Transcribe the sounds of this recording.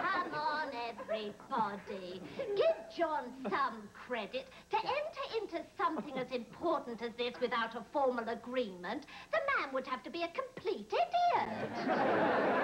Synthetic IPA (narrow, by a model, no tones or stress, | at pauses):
kʰʌ̃mənɛvɹibɑdiɡ̥ɪvd͡ʒɑ̃nsʌ̃mkʰɹ̥ɛdɨtʰɨʔɛ̃ntʰə˞ʔɪ̃ntʉsʌ̃mθɪ̃ŋɨzɨ̃mpʰɔɹʔn̩tɨzðɪswɨðaʊɾəfɔɹml̩ˠəɡɹĩnmɨ̃nðɨmæ̃nwəd̚hɨftɨbiɨkʰə̃mpʰl̥iɾɪdiət